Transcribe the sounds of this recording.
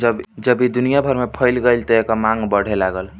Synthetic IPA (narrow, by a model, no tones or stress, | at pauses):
d͡ʒəbd͡ʒəbid̪unijabʱəɾmepʰəjlɡəjlt̪ɔekamaŋɡbəɽ̤elaɡəl